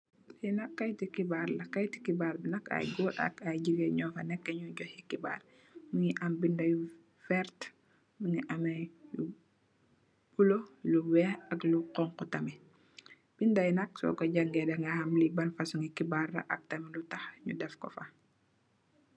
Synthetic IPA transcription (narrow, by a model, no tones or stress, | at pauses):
linɐkːɐjtikibaɾlɐkɐjti̥kibaːɾbinɐka̰jɡoːlɐ̰kajɟiɡɛɲɔːfɐnɛkːɐɲuɟɔhikiba̰ːr | muŋiʔɐmbindɐj | fɛɾt | muŋiʔɐmɐju | b̥uloluwɛɐkluqɔŋkutɐmi | b̥indɐjnɐksɔ̰ɡɐɟaŋɡɛdɐŋɡɐhɐmlibɐnfɐsuŋikibarːɐ̰ʔɐk̚tɐmilutɐxɲudɛfkɔ̰fɐ